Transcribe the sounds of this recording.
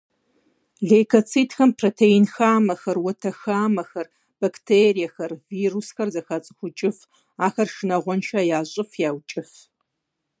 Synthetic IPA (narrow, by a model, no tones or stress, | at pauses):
ɮeːkʰɐt͡sʰiːtxɐmpʰroːtʰeinxaːmɐxɐrwɔtʰɐxaːmɐxɐr | b̥ɐktʰerijɐxɐrviːrusxɐrzɐxat͡sʼɨ̥xʷʊt͡ʃʼɪf | aːxɐrʂɨnɐʁʷɔnʃaːjaːɕʼɪfjaːwt͡ʃʼɪf